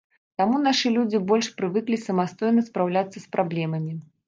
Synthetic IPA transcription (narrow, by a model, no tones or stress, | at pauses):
t̪amunaʂɨlʲud͡zʲibɔlʲʂpɾɨvɨklʲisɐmast̪ɔjnɐspɾawlʲat̪sːɐspɾablʲɛmɐmʲi